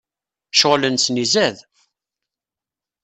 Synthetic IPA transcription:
ʃoʁlənsnizæð

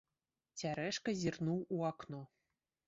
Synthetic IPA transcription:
t͡sʲaɾɛʂkɐzʲirnuwuaknɔ

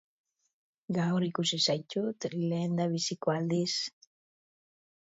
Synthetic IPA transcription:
ɡawɾikusisajt͡ʃut̪leːnd̪aβisikoald̪is

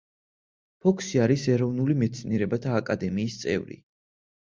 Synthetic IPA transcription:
pʰɔkʰsiaɾisɛɾɔvnulimɛt̪sʰniɛɾɛbat̪ʰaːkʼad̪ɛmiːst̪sʼɛ̰vɾḭ

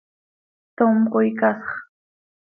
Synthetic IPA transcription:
t̪omqojkasɑ̥χ

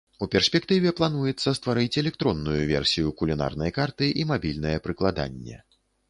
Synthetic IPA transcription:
upʲɛrsʲpʲɛkt̪ɨvʲɛplˠan̪ujɛt̪sːɐst̪vaɾɨt͡sʲɛlʲɛk̚t̪ɾɔnːujuvʲɛ̰rsʲijukulʲina̰rnɐjɐkart̪ɨʔimabʲilʲnɐjɛpɾɨklˠad̪a̰nʲːɛ̰

